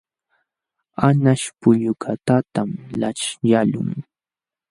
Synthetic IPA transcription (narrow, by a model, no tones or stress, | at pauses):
anaʃpʊʎʊkʰat̪at̪amlaʈ͡ʂjalʊ̰ŋ